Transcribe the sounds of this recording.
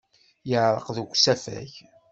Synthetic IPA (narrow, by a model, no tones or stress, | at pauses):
jəʕɾˤə̰qðuɡsæfæ̰ç